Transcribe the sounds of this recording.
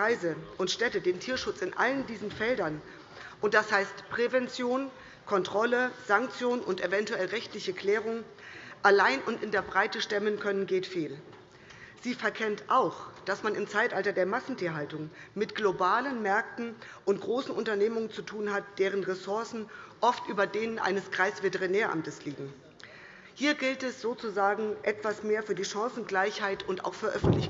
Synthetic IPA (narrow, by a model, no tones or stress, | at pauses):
aɪzəʔʊntʃtɛtədeːntʰiːɐʃʊt͡sɪnʔa̰ləndiːzn̩fɛldɐn | ʔʊnt̚d̥ashaɪstpʁ̥evɛnt͡sjoːn | kʰɔntʁ̥ɔləz̥aŋkt͡sjoːnʊntʔevɛntuɛlʁɛçtlɪçəkʰl̥ɛːʁ̞ʊŋ | ʔalaɪnʊntɪndeːɐbʁaɪtəʃtɛmənkʰœnənɡeːtfeːl | z̥iːfɛɐkʰɛntʔaʊxd̥asmanɪmt͡saɪtʔaltɐdeːɐmasn̩tʰiːɐɦaltʊŋmɪtɡ̥lobaːlənmɛɐk̚tn̩ | ʔʊntɡ̥ʁoːsn̩ʔʊntɐneːmʊŋənt͡sutʰuːnɦat̚d̥eːʁ̞ənʁɛsʊɐsn̩ʔɔftʔyːbɐdeːnənʔa̰ɪnəskʁ̥aɪsv̥etəʁinɛːɐʔa̰mtəsliːɡŋ̩ | hiːɐɡɪltɛsz̥oːt͡suzaːɡŋ̩ʔɛtv̥asmeːɐfyːɐdiːʃãŋsn̩ɡlaɪçhaɪtʊnta̰ʊxfyːɐʔœfn̩tlɪç